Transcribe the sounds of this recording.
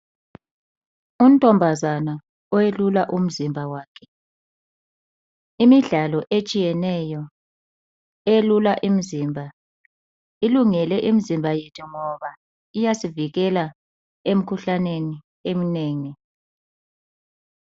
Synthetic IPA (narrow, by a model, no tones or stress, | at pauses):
um̩tʼɔmbʱazana | ɔwelulaʔum̩zimbʱawaːkʰɛ̥ | imiɮalɔʔet͡ʃʼijɛnɛjɔ | elulaʔim̩zimbʱa | iluŋɛlɛʔim̩zimbʱajɛtʰɔŋɔβa | ijasiviɣɛla | em̩kʰuɬaneni | em̩neːŋi